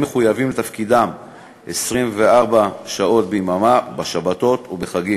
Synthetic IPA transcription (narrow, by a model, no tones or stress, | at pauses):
meχujavimlet̪afkid̪am | esʁimveaʁbaʃao̞t̪̚bemamabaʃabat̪o̞t̪ubeχaɡim